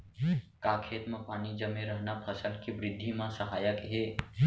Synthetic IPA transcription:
kaːkʰeːt̪mãpaːnid͡ʒəmẽɾəɦnapʰəsəlkebɾɪd̪ʱːimãsəɦaːjəkɦeː

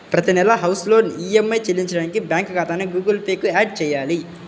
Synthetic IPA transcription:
pɾɐt̪inɛlɐɦɐwsloːniemːɐjt͡ʃelːiɲt͡ʃɐɽaːnikibjaːŋkkaːt̪aːneɡuːɡɐlpeːkuaːɖ̚t͡ʃɛːjaːli

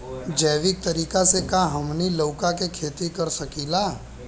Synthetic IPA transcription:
d͡ʒəːʋɪk̚t̪ɐɾiːkasekaɦɐmniloːkãkekʰeːt̪ikɐɾsɐkilaː

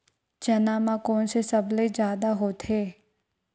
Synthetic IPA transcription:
d͡ʒɐnaːmãkɔːnsesɐbled͡ʒjaːd̪aɦot̪ʰeː

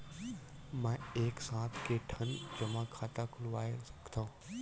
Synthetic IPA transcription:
mɛ̃eːksãːt̪ʰkeʈʰənd͡ʒɐmãkʰaːt̪akʰʊlʋaːesɐ̥kt̪ʰã

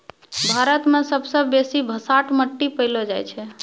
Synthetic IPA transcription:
bʱaɾət̪mesəbsəbːesibʱəsaʈʰməʈːipəɪlod͡ʒajt͡ʃʰɛ

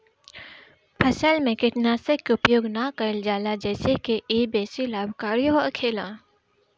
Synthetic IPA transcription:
pʰəsəlmẽkɪʈnaːsəkːʊpjoːɡnakəld͡ʒaːlad͡ʒɛːsekeʔeːbeːsilaːbʱkaːɾijooɐkʰeːlãː

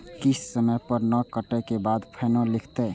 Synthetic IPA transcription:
kissəməjpəɾnəkəʈəkebad̪pʰənõlikʰt̪ɛ

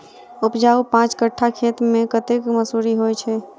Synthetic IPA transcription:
upd͡ʒaupãt͡ʃkəʈʰːakʰet̪mẽkət̪ekməsuɾiɦojt͡ʃʰɛ

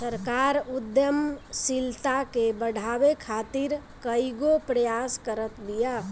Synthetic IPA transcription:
səɾkaɾud̪jəmsilt̪akebəɽ̤ʱabekʰat̪iɾkəiɡopɾəjaskəɾət̪bija

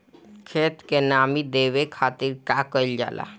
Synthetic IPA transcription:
kʰet̪kenamid̪eʋekʰat̪iɾkakəɪld͡ʒa̰ːlʔa̰

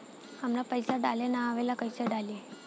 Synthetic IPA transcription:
əmɾapəjsaɖalenaaʋelakəjseɖalje

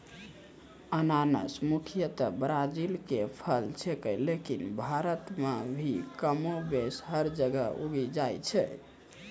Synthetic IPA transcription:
ənanə̰smukʰjət̪əbɾad͡ʒilkepʰəlt͡ʃʰekəlekinbʱaɾət̪mebʱikəmobesɦəɾd͡ʒəɡə̰ṵɡid͡ʒajt͡ʃʰɛ̰

